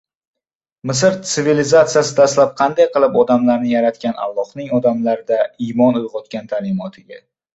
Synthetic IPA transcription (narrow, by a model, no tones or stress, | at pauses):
mɪsɪɾt̪sɪvilizat̪sijasɪd̪ast̪lap̚qʰɑnd̪ajqɨlˠɪpɒd̪amlaɾnɪjaɾat̪kʲana̰lˠːɒhnɪŋɒd̪amlaɾɪd̪aimɒnʊjʁɒt̪kʲant̪ʰalɪmɒt̪ʰɪɡʲa